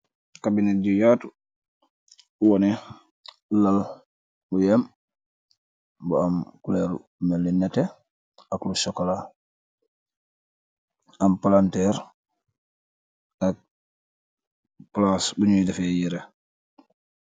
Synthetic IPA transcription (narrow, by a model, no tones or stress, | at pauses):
kabinɛɟujaːtu | uwɔnɛ | lal | bujɛm | buamkulɛɾṵ | mɛlːinɛtɛ | aklusɔkɔla | ampalantɛɾ | ak̚ | plasbuɲudɛfɛjiɾe